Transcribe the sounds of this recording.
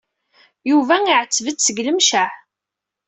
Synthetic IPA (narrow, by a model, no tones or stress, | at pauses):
juvæiʕət͡sːvət͡s̪səɡləmʃæħ